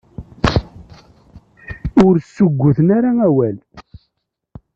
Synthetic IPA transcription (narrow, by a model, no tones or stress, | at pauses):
ʊɾsːʊɡʷːʊθənaɾaæwæl